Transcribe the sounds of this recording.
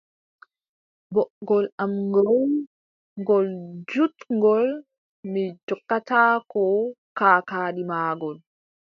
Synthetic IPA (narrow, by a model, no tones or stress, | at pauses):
bɔʔɡɔlamŋɡɔw | ŋɡɔld͡ʒutŋɡɔl | mid͡ʒɔkːataːkɔkaːkaːɗimaːɡɔl